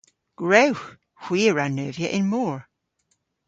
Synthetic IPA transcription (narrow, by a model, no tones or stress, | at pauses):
ɡ̥ɹowx | hw̥iːɹanːøːvjəʔɪ̃nmɔːɹ